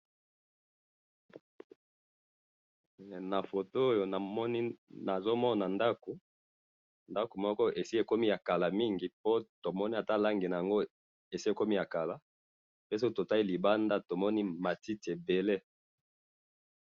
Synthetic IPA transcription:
na˨fo˨to˦o˦jo˨na˨mɔ˦ni˦na˨zo˦mɔ˦na˨nda˦ko˨ | nda˦ko˨mɔ˦kɔ˦ʔe˨si˦e˨ko˦mi˦ja˨ka˨la˨mi˦ŋɡi˨po˦to˨mɔ˦ni˦a˨ta˦la˦ŋɡe˨na˨ja˨ŋɡo˦ | e˨si˦e˨ko˦mi˦ja˨ka˨la˨ | pe˦s̬o˦to˨ta˦i˦li˨ba˦nda˦to˨mɔ˦ni˦ma˨ti˦ti˨e˨be˨le˦

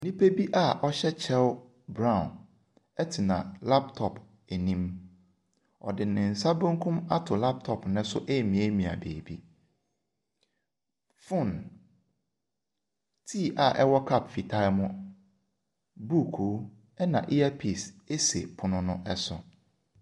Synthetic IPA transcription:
nĩ˦pe˦bi˦ʔa˦˨ʔɔ˦ɕɛ˦t͡ɕʰɛ˦l | bɾã˦˨ʊ̃˨n | ɛ˦tʰɪ˨nã̰˨la˦p̚tʰɔ˨pʰ | e˨nĩ˦m | ɔ̰˨dɪ˨nɪ̃˨n̩˨sa˦bõ˦ŋ˦kʰʊ̃˦ma˦tʰʊ˨la˦p̚tʰɔ˨pnɪ̃˦sʊ̰˦ʔe˦˨mĩ˨e˦mĩ˨a̰˨beː˨bi˦ | fʊ̃˦˨n | tʰi˦˨ʔa˨ʔɛ˦wɔ˦kʰa˦˨pfi˨tʰa˦ɪ˦mʊ̃˦ | bu˦˨kʰo˨˦ | ɛ˦nã̰˨ʔi˦a˦pʰi˦˨se˦sḛ˨pʰʊ˨nʊ̃˦nʊ̃˦ʔɛ˦sʊ̰˨

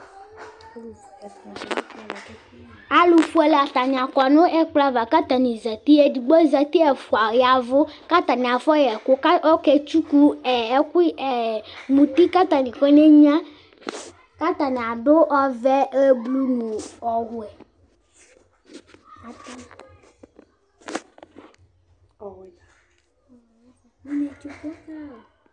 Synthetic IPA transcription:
a˦lu˨fu˦ɛ˨la˨t̪a˨ɲ̃˨ã˨kɔ˨nõ˦ʔɛ˦k͡pla˦va˨ka˦t̪a˨nĩ˨zɛ˨t̪i˦ɛ˦di˨ɡ͡bɔ˦zɛ˨t̪i˦ɛ˨fu˨a˨ɣi˨a˨vo˦ka˦t̪ã˨nĩ˨a˨fɔ˦jɛ˨ko˦ka˦ɔ˦kɛ˦t͡ʃu˦ku˦ɛ˨˦ki˦e˨mũ˨t̪i˦ka˦t̪ã˨nĩ˨kɔ˦ne˦ɲã˦ | ka˦t̪ã˨nĩ˨a˨ɖo˦ʔɔ˦vɛ˦e˦blu˦nũ˨ɔ˨ɦʊ˨ɛ˨ | a˦t̪a˦˨ | t͡ʃu˦˨

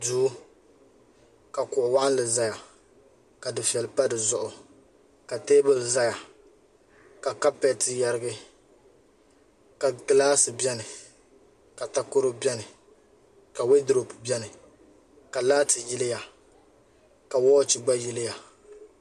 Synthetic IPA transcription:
du˦ | ka˨kʊ˨ʔʊ˨wa˦ʔlɨ˨za˦ja˨ | ka˨dɨ˨fɛ˨lpa˦dɨ˨zʊ˦ʔʊ˨ | ka˨teː˦bɨ˦lza˦ja˨ | ka˨ka˦pɛ˨tɨ˨ja˦ɾɨ˦ɡɨ˦ | ka˨ɡɨ˦laː˦sɨ˨bɛ˦nɨ˨ | ka˨ta˨ko˦ɾʊ˦bɛ˦nɨ˨ | ka˨we˦dɾo˨pbɛ˦nɨ˨ | ka˨laː˦tɨ˨ji˦lɪ˦ja˨ | ka˨wɔː˦t͡ʃi˨ɡ͡ba˦jɪ˦lɪ˦ja˨

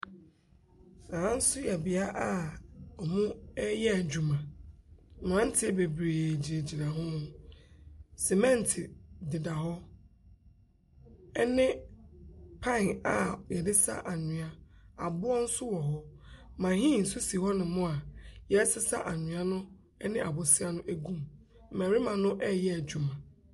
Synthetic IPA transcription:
nã˨ã˦n̩˦sʊ˦jɛ˨bɪ˨a˦ʔa˦ɔ˨mũ˦ɛ˦jɛ˦æ˨d͡ʑᶣu˨mã˨ | m˨ã˨˦n̩˦tʰɪ˦be˨bɾeː˨d͡ʑi˨e˨d͡ʑi˨nã˨ɦʊ̃˦mʊ̃˦ | sɛ˨mɛ̃˦n˨tʰɪ˨dɪ˨da˨hɔ˦ | ɛ˦nɪ̃˦ | pʰã˦˨na˨jɛ˨dɪ˦sa̰˦ʔa˨ɲɪ̃˨a˦a˨bʊ˦ɔ˦n̩˦sʊ˦wɔ˨ɦɔ˦mã˨ɦĩ˦˨n̩˨sʊ˦si˨hɔ˦nɪ̃˨˦mʊ̃˦a˨jɛ˦sɪ˦sa̰˦ʔa˨ɲɪ̃˨a˦nʊ̃˦ | ɛ˦nɪ̃˦ʔa˨bʊ˨sɪ˦a˦nʊ̃˦ʔæ˦ɡũ˦m̩˦ | mæ̃˨ɾi˦mã˨nʊ̃˦ʔɛ˦jɛ˦æ˨d͡ʑu˨mã˨

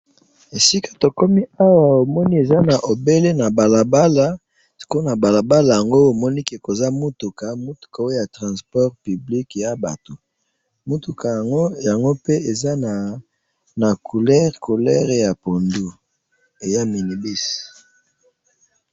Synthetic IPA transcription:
e˨si˦kḁ˦to˨ko˦mi˦a˦wa˨o˨mɔ˦ni˦e˨za˦na˨ʔo˨be˦le˦na˨ba˨la˨ba˦la˦ | sko˦na˨ba˨la˨ba˦la˨ja˨ŋɡo˦o˨mɔ˦ni˦ke˨ko˨za˦mu˦tu˨ka˨mo˦tu̥˨ka˨o˦o˦ja˨tʁã˨spɔ˦ʁpy˨bli˦kja˦ba̰˨to˨ | mu˦tu˨kʰa˨ɡo˦ja˨ŋɡo˦pe˦e˨za˦na˨ | na˨kʰu˨lɛ˦ʁko˨lɛ̰˦ʁe˨ja˨po˨ndu˦ | e˨ja˦mi˨ni˨bi˦s

